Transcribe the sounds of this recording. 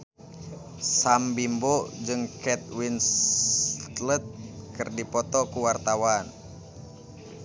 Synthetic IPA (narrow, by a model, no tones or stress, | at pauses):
sambimbɔd͡ʒɨŋkɛt̪̚wins | t̪lət̪̚kɨrdipɔt̪ɔkuwart̪awan